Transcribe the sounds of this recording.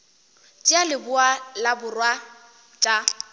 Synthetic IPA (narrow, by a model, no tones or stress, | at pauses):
t͡ʃʼialɪbʊalabʊrwa | t͡ʃʼa